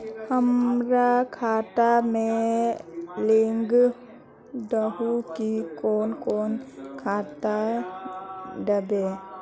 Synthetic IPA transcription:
həmɾakʰat̪amẽ | leŋɡ | d̪əɦukikoːnkoːnkʰat̪a | ɖəbe

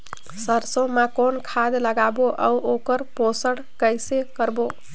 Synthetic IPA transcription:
səɾsõmakonkʰad̪ləɡaboʔə̰uʔokəɾposəɽkəjsekəɾbo

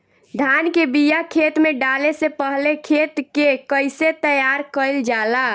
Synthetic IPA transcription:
d̪ʱankebijakʰet̪meɖalesepəɦlekʰet̪kekəɪset̪əjaɾkəɪld͡ʒala

